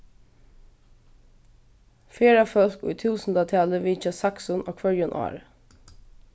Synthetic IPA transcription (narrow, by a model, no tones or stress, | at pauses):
feːɾɑfœlkṵiːt̪ʰʉːsn̩d̪ɑt̪ʰæːləʋɪːt͡ʃɑsɑksɔnʔo̰ːkʰʋœɹjʊnʔɑ̰ːɾ